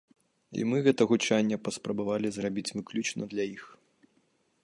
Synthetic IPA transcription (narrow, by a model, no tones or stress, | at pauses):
ḭmɨɣɛt̪ɐɣut͡ʂanʲːɐpɐspɾɐbavalʲizrabʲit͡sʲvɨklʲut͡ʂnɐd̪lʲɐjix